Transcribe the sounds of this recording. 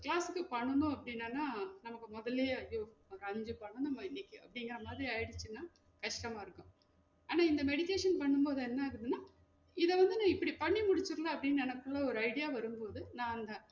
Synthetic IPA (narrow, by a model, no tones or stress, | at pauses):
kɪɭaːsɯkːɯpɐɳːɯnʊ̃ɐpːɐɽɪnːanaːnɐmɐkːɯmɔðɐleːɐjoːɾɐɲd͡ʒɯpɐɳːɯ̃nɐmːɐɪnːɪkːɯɐpːɐɽɪŋɡɐɾɐmaːðɾiɐjɽɯt͡ʃːɯnːaː | kɐʂʈɐmaːɪɾɯkːʊ̃ | aːnaːɪnd̪ɐmɛɽɪkeːʂɐnpɐɳːɯmpoːðɯɛnːɐɪɾɯðɯnːaː | ɪðɛʋɐnd̪ɯnãːɪpːɐɽipɐɳːimʊɽɪt͡ʃːɯɾɯlaːɐpːɐɽɪnːnɛnɐkːɯɭːɐɔɾɯɐɪɽɪjaːʋɐɾɯmpoːðɯnãːɐnd̪ɐ